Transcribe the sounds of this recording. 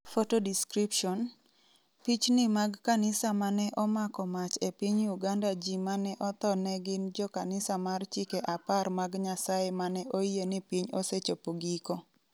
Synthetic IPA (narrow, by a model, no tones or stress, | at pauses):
fotodiskɾipʃɔn | pit͡ʃnɪmaɡkanɪsamanɛʔɔmakɔmat͡ʃepiɲuɡandad͡ʒimanɛʔɔt̪ɔnɛɡɪnd͡ʒɔkanɪsamart͡ʃikeʔaparmaɡɲasajemanɛʔoienɪpiɲoset͡ʃopoɡiko